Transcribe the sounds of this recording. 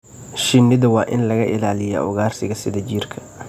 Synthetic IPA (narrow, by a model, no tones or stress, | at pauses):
ʃɪnːɪðɐwɑːʔɪ̰nlɐɣɐʔɪlaːlɪjɐ̰ʔɔɣaːrsɪɣɐsɪðɐd͡ʒiːrkʰɐ̥